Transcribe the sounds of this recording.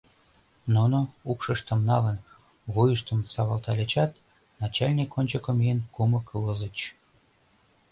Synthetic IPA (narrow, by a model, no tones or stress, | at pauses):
nunoukʃəʃt̪ə̆mnɑlən | βujəʃt̪əmsɑβɑlt̪ɑlʲet͡ɕɑt̪ | nɑt͡ɕɑlʲnʲikːonʲt͡ɕəkə̆mienkumə̆kləzət͡ɕ